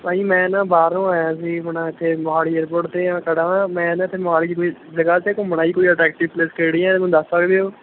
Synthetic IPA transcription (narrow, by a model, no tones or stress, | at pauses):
paːĩːmɛ̃ːnãːbaːɾõːɛjãsiːbəɳãːɪt̪ʰːeːməɦaːliːeːɾpoːʈt̪eːãːkəɽaːãːmɛ̃ːnãːt̪ʰːeːmɦaːliːd͡ʒkoizəɡaːt͡ʃeːkʊ̃ːmbəɳaːiːkoːiːəʈɾɛːk̚ʈɪʋpleːskeɽiːɛ̃ːem̃ːd̪əsaːɡebeoː